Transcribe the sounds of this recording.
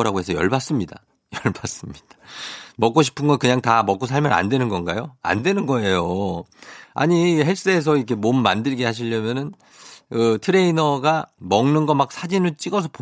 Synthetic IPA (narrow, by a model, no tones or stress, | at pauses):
ɾaɡoe̞sʰʌjʌɭbas͈ɯmɲida̰ | jʌɭbas͈ɯmɲid̥ḁmʌk͈oɕʰi̥pʰɯnɡʌkɯɲaŋtamʌk͈osʰaɭmjʌna̰ndwe̞nɯnɡʌnɡajoa̰ndwe̞nɯnɡʌe̞jo | a̰ɲiɦes͈eːsʰʌikʰe̞momːandɯɭɡeɦaɕ̬ʰiʎːʌmjʌnɯn | kɯtʰɯɾe̞inʌɡamʌŋnɯnɡʌmak̚sʰad͡ʑinɯɭt͡ɕ͈iɡʌs̬ʰʌp